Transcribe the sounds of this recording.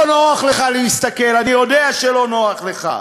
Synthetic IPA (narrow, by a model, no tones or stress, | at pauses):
onoaχleχalehist̪akelanijo̞d̪eaʃelo̞no̞aχleχa̰